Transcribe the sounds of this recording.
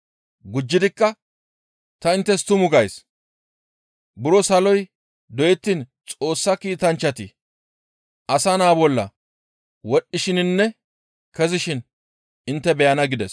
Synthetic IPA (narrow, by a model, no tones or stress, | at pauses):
ɡʊd͡ʒːɪd̪ɪkːɐ | t̪ɐɪnt̪ːɛst̪ʊmʊɡɐjs | bʊɾɔsɐlɔj | d̪ɔjɛt̪ːint͡sʼo̞ːsːɐkiːt̪ɐnt͡ʃːɐt̪ɪ | ʔɐsɐnaːbɔlːɐ | wɔɗːɪʃɪnɪnːɛ | kɛzɪʃɪn | ɪnt̪ːɛbɛjɐnɐɡɪd̪ɛs